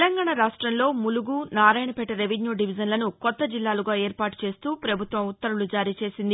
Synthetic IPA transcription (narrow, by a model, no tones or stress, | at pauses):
lɐŋɡaːɳaɾaːʂʈɾɐnlo̞ːmuluɡuːnaːɾaːjɳɐpɛʈːɐɾeʋenjuːɖiʋid͡ʒɐnlɐnukɔt̪ːɐd͡ʒilːaːluɡaːeːɾpaːʈu̥t͡ʃe̞ːst̪uːpɾɐbʱut̪ʋɐmut̪ːɐɾulud͡ʒaːɾiːt͡ʃe̞ːsind̪i